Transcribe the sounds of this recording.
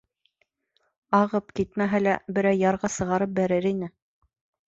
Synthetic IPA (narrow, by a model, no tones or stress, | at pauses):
ɑʁɤpkit̪mæɦælæbɘ̆ɾæjːɑɾʁɑsɤ̆ʁɑɾɤp̚bæɾɘɾinɘ